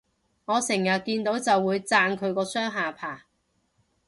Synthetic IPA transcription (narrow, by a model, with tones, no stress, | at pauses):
ŋɔː˨˧sɪ˨˩ŋjɐ˨t̚kiː˧nt̪o˨˥wt͡sɐ˨wːuː˨˧jt͡saː˧nkʰɵ˨˧ɥkɔː˧sœː˥ŋɦaː˨pʰaː˨˩